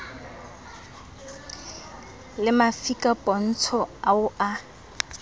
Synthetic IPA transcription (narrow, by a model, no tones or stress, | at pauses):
lɪmafikʼapʼɔn̩t͡sʰɔaʊʔa